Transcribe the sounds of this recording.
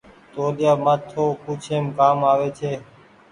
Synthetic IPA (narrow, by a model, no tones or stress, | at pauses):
t̪oːlɪjaːmaːt̪ʰːoːpuːt͡ʃʰeːmkaːmaːʋeːt͡ʃʰeː